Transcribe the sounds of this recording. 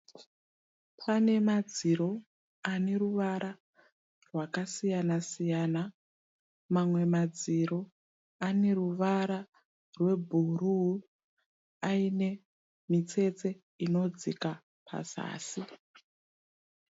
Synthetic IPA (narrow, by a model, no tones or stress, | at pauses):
pʰane̞mad͡ziɾo̞ | ane̞ruʋaɾʔa | rwakasijanasijana | mamwe̞mad͡ziɾo̞ | ane̞ruʋaɾa | rwe̞bʱuruɦu | aine̞ | mit͡se̞t͡se̞ | ino̞d͡zika | pʰa̰z̥a̰ːsi